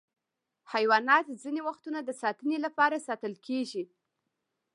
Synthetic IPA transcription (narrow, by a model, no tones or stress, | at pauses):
hajwɑnɑt̪zinewaxt̪unad̪əsɑt̪ənelapɑɾasɑt̪əlkʰeʒi